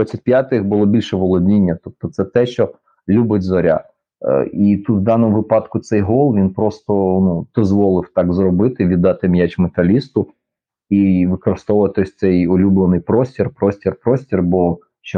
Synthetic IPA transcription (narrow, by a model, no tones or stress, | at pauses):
d̪ʋɑt͡sʲːɐtʲpʲjat̪ɪxbʊlˠɔbʲilʲʃɛʋɔlˠɔdʲnʲinʲːɐt̪ɔp̚t̪ɔt̪sɛt̪ɛʃt͡ʃɔ | lʲubɪdʲzɔɾʲa̰ | it̪ut̪wd̪ɑnɔmʊʋɪpɑd̪kʊt̪sɛjɦɔlˠʋʲinpɾɔst̪ɔnud̪̥ɔzʋɔlˠɪwt̪ɑɡzɾɔbɪt̪ɪʋʲid̪ːɑt̪ɪmjat͡ʃmet̪ɐlʲist̪ʊ | iʋɪkɔɾɪst̪ɔwʊʋɐt̪ɪɔsʲt̪sɛjɔlʲublˠenɪjpɾɔsʲtʲirpɾɔsʲtʲirpɾɔsʲtʲirbɔ | ʃt͡ʃɔ